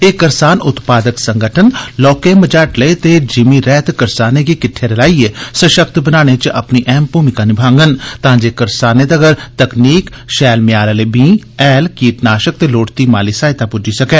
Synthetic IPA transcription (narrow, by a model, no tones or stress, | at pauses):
eːkəɾsaːnʊt̪paːd̪əksəŋɡəʈʰənlɔːkeːməd͡ʒaːʈləet̪eːd͡ʒɪmiːɾɛːt̪kəɾsaːneːkiːkɪʈʰːeːɾəlaːiːeːsəʃək̚t̪bənaːɽ̃eːt͡ʃə̰pniːʔɛːmpuːmɪkaːnibʱãːŋɡənt̪ãːd͡ʒeːkəɾsaːneːd̪əɡəɾt̪əkniːk | ʃɛːlmɪjaːləleːbĩːɛːlkiːt̪naːʃək̚t̪eːloːʈt̪iːmaːliːsaːɪt̪aːpʊd͡ʒiːsəkɛ̃ː